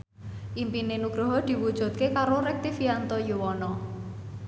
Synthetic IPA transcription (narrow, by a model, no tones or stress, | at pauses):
ʔimpinenuɡ̥ɾɔ̤ɦɔd̪̥i̤wud̥ʒ̥ṳt̪̚kekaɾoɾɛk̚t̪ifiant̪ɔjuwɔnɔ